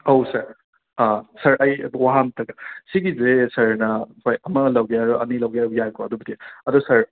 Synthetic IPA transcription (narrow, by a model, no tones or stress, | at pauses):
owsɐɾ | asɐɾɐjɐ̰bwaɦantɐɡɐsiɡizesɐɾnɐpʰojʔɐmɐlɐwɡejaɾuʔɐnilɐwɡejaɾbjajkoɐdubidiɐdusɐɾ